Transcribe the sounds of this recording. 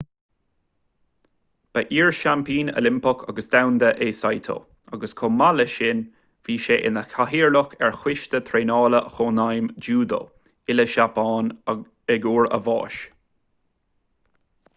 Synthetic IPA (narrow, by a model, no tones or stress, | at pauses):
b̥əʔiːɹʃampiːnə̰lɪmpəkʰa̰ɡəsd̪awnd̪əʔeːsajt̪ʰə̰ | aɡəskʰɔmaləʃɪn | v̥iːʃeːʔɪ̰nəkʰaɦiːɹlʊkɛɹxwɪʃt̪ət̪ʰɾeːnɑːləxoːnajmd͡ʒuːd̪ə̰ | ɪləʃapɑːn | ɛɡuːɹə̰vɑ̰ːʃ